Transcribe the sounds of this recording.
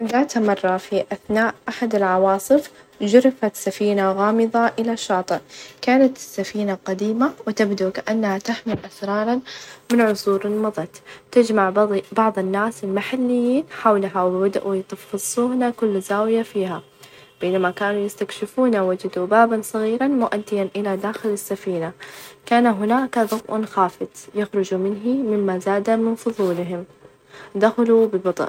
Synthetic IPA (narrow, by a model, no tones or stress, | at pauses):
d̪aːt̪amɑrˤːɑfiʔaθnaːʔʔaħad̪ɪlʕɑwɑːsˤɨf | d͡ʒʊɾɪfat̪safiːnaɣɑːmɨðˤɑʔɪlaʃːɑːt̪ˤɨkaːnat̪ɪsːafiːnaqad̪iːmawɪt̪abd̪ukaʔanːhat̪aħmɪlʔasɾˤɑːɾˤɑnmɪnʕʊsˤuːɾɪlmɑðˤɑt̪t̪ɪd͡ʒmaʕbɑʕðˤɨnːaːsɪlmaħalːɪjːiːnħawlaɦawwad̪ʔujt̪ˤɑfːɨsˤːuːnakʊlːzaːwɪjafiːha | b̥eːnamakaːnujɪst̪akʃɪfuːnawad͡ʒɪd̪ubaːbansˤɑɣiːɾɑnmʊʔad̪ːɪjanʔɪlad̪aːxɪlɪsːafiːnakaːnaɦʊnaːkaðˤʊɡʔnxaːfɪd̪ˤjaxɾʊd͡ʒumɪnɦimɪmːazaːd̪amɪnfʊðˤuːlɪɦɪm | d̪axalubɪbɑd̪ˤʔ